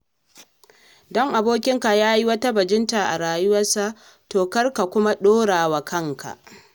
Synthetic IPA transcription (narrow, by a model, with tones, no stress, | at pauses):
dɔ˦ŋʔa˨boː˦kʲɪ˦ŋka˨jaː˦ji˦wɐ˦ta˦bɐ˨d͡ʒɪ˦nta˨ʔa̰˨ɽaː˨jʊ˦wɐ˦rsa˦ | toː˨kɐ˦rka˨kʷʊ˦ma˦ɗoː˦ɽaː˨wa˨kɐ˦ŋka̰˨ʔ